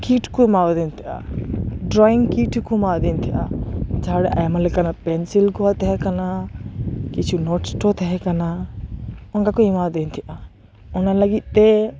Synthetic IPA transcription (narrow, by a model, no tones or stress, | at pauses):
kiʈʰkɔmawd̪ɛnt̪ʰɛʔa̰ɖɾɔiŋkiʈkɔmawd̪ɛnt̪ʰɛʔa̰d͡ʒaɦaɽɛʔa̰jmalɛkanapɛnsilɡɔat̪ɛɦɛkana | kit͡ʃʰunɔʈsʈɔt̪ɛɦɛkana | ɔŋkakɔimawd̪ɛnt̪ʰiʔa | ɔnalaɡit̪̚ˀt̪ɛ